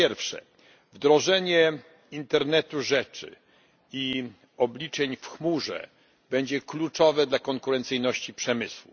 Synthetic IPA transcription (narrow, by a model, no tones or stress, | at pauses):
jɛɾfʂɛ̰ | vd̪ɾɔʐɛɲɛ | int̪ɛɾnɛt̪uʐɛt͡ʂɘ̰ | i | ɔblʲit͡ʂɛɲfxmuʐɛ̰ | bɛɲd͡ʑɛklut͡ʂɔvɛd̪lakɔŋkuɾɛnt̪sɘjnɔɕt͡ɕipʂɛmɘswṵ